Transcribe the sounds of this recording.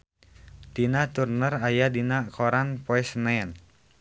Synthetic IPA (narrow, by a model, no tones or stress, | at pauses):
d̥inat̪urnərajadinakɔɾanpɔɛsnɛn